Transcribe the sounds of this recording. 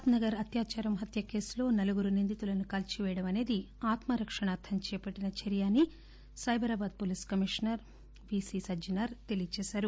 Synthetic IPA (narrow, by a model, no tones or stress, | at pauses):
at̪nɐɡɐɾɐt̪jaːt͡ʃaːɾɐmɦɐt̪jɐke̞ːslo̞ːnɐluɡuɾunind̪it̪ulɐnukɐlt͡ʃiʋɛːjɐɽɐmɐne̞ːd̪i | aːt̪mɐɾɐkʂɐɳaːt̪ʰɐmt͡ʃɛːpɐʈːinɐt͡ʃɐɾijaːni | sɐjbʱɐɾaːbaːd̪̚poliskɐmiʂnɐɾ | ʋiːsisɐd͡ʒinɐɾt̪elijt͡ʃɛːsaːɾu